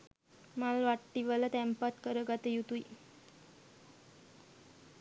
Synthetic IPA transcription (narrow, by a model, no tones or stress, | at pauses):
malʋaʈːiʋələt̪ɛmpat̪kəɾəɡat̪əjut̪uj